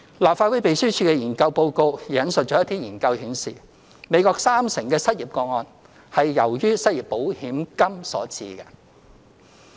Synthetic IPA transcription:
laː˨p̚fa˧wu˨˥jpe˨jsyː˥t͡ʃʰyː˧kɛː˧jiː˨˩nkɐ˧wpo˧wko˧wi˨˩jɐ˨˥nsɵ˨t̚t͡ʃɔː˨˥jɐ˥t̪ʰiː˥jiː˨˩nkɐ˧whiː˨˥nsḭː˨ | me˨˧jkɔː˧k̚saː˥msɪ˨˩ŋkɛː˧sɐ˥t̚jiː˨p̚kɔː˧ŋ̚ɔː˧n | hɐ˨jːɐ˨˩wjyː˥sɐ˥t̚ji˨pːo˨˥whiː˨˥mkɐ˥msɔ̰ː˨˥t͡sḭː˧kɛ˧

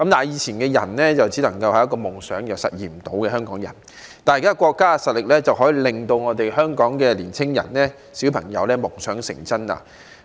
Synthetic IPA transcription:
kɐ˨˥mt̪aː˨˩jiː˨˧t͡sʰiː˨˩nkɛː˧jɐ̰˨˩nlɛː˥t͡sɐ˨wt͡siː˨˥lɐ˨˩ŋkɐ˧whɐ˨jɐ˥k̬ːɔː˧mʊ˨˩ŋsœː˨˥ŋjɐ˨wsɐ˨t̚jiː˨˩m̩˨t̪o˨˥wkɛː˧œː˥ŋkɔː˨˥ŋjɐ̰˨˩n | t̪aː˨jkaː˥kʷɔː˧kːaː˥˧sɐ˨t̚lɪ˨k̚lɛː˥t͡sɐ˨wɦɔː˨˥jiː˨˧lɪ˨ŋt̪o˧wŋɔː˨˧t̪e˨jɦœː˥ŋkɔː˨˥ŋkɛː˧liː˨˩nt͡sʰɪ˥ŋjɐ̰˨˩nlɛː˥ | siː˨˥wpʰɐ˨˩ŋjɐ˨˧wlɛː˥mʊ˨˩ŋsœː˨˥ŋsɪ̰˨˩ŋt͡sɐ˥nla̰ː˧

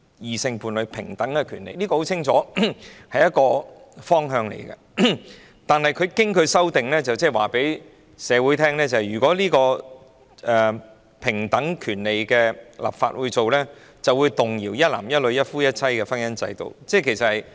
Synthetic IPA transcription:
jiː˨sɪ˧ŋpuː˨˩nlɵ˨˧ɥpʰɪ̰˨˩ŋt̪ɐ˨˥ŋɛ˧kʰyː˨˩nlḛ˨jliː˥kɔː˧ho˨˥wʰɪ˥ŋt͡ʃʰɔ̰ː˨˥hɐ˨jɐ˥t̚kɔː˧fɔː˥ŋɦœː˧ŋlḛ˨˩jkɐ̰˧ | t̪aː˨nhɐ˨jkʰɵ˨˧ɥkɪ˥ŋkʰɵ˨˧ɥsɐ˥wt̪ɪ˨ŋlɛː˥t͡sɐ˨wt͡sɛː˥˩waː˨˩pe˨˥j | sɛː˨˧wuː˨˥jt̪ʰɛː˥ŋlɛː˥t͡sɐ˨hɐ˨jɥyː˨˩kɔː˨˥liː˥kɔː˧ | ɛ˨ | pʰɪ˨˩ŋt̪ɐ˨˥ŋkʰyː˨˩nle˨jkɛː˧lʔa̰ː˨˩p̚fa̰ː˧t̚wuː˨˧jt͡so˨wlɛː˥ | t͡sɐ˨wuː˨˧jt̪ʊ˨ŋjiː˨˩wjɐ˥t̚la̰ː˨˩mjɐ˥t̚lɵ˨˧ɥjɐ˥t̚fuː˥jɐ˥t̚t͡sʰɐ˥jkɛ˧fɐ˥njɐ˥nt͡sɐ˧jt̪o̰˨wt͡sɛː˥˩kʰe˨˩sɐ˨thɐ˨˩j

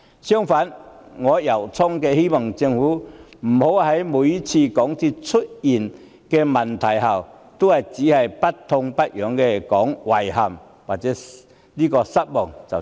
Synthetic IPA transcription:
ɕjɔ˦ŋfa˨˦nŋɔ˨˧˦ja˨˩wt͡sʰɔ˦ŋke˧hi˦mɔ˨˩ŋt͡ɕi˧ŋhu˨˦m̩˨˩ho˨˧˦wha˨˦jmu˨˦t͡ɕʰi˧kɔ˨˦ŋt̪ʰi˧t͡sʰu˦t̚i˨˩n | ke˧ma˨˩nt̪ʰa˨jɦa˨˩w | t̪u˦a˨˩jt͡ɕi˨˦ha˨jpa˦t̪ʰːʊ˧ŋpa˦t̚jɔ˨˦ŋke˧kɔ˨˦ŋwa˨jha˨˩m | a˨˩t͡sɛ˦ | li˦kɔ˧sa˦t̚bɔ˨˩ŋt͡sa˨˩

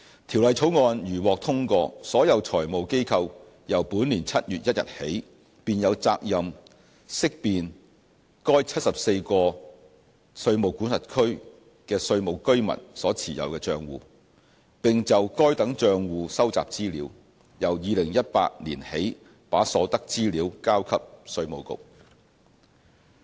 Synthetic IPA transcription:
t̪ʰiː˨˩wlɐ˨jt͡sʰo˨˥wŋɔː˧njyː˨˩wɔː˨k̚t̪ʰʊ˥ŋkɔː˧sɔː˨˥jɐ˨˧wt͡ʃʰɔː˨˩jmo˨wke˥jkʰɐ˧w | jɐ˨˩wpuː˨˥nliː˨˩nt͡sʰɐ˥t̚jyː˨t̚jɐ˥t̚jɐ̰˨t̚he˨˥j | piː˨njɐ˨˧wt͡sa̰ː˧k̚jɐ˨m | sɪ˥k̚piː˨n | kɔː˥jt͡sʰɐ˥t̚sɐ˨p̚se˧jkɔː˧ | sɵ˧ɥmo˨˩wkuː˨˥nsɐ˨˩t̚kʰɵ˥ɥ | kɛː˧sɵ˧ɥmo˨˩wkɵ˥ɥmɐ̰˨˩nsɔː˨˥t͡sʰiː˨˩jɐ̰˨˧wkɛː˧t͡ʃœː˧ŋwṵː˨˧ | pɪ˨ŋt͡sɐ˨wkɔː˥jt̪ɐ˨˥ŋt͡ʃœː˧ŋwuː˨˧sɐ˥wt͡sa̰ː˨p̚t͡siː˥liː˨˥w | jɐ˨˩wjiː˨lɪ˨˩ŋjɐ˥t̚pa̰ː˧t̚liː˨˩nhe˨˥j | paː˨˥sɔː˨˥t̪ɐ˥k̚t͡siː˥liː˨˥wkaː˥wkʰɐ˥p̚sɵ˧ɥmo˨˧wkʊ̰˨˧k̚

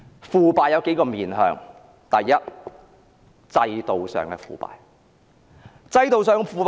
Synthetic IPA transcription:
fuː˨˩paː˨jɐ˨˧wke˨˥jkɔː˧miː˨nɦœ̰ː˨˧ŋ | t̪ɐ˨jːɐ˥t̚ | t͡sɐ˧jt̪o˨wsœ̰ː˨˩ŋkɛː˧fuː˨pa̰ː˨˩j | t͡sɐ˧jt̪o˨wsœː˨ŋkɛ˧fuː˨˧pː

